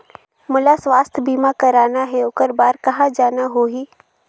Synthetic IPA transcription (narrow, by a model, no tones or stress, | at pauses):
mʊlasʋaːst̪ʰbiːmakɐɾaːnaɦɛʊkəɾbaːɾkɐɦad͡ʒaːnaɦoːɦiː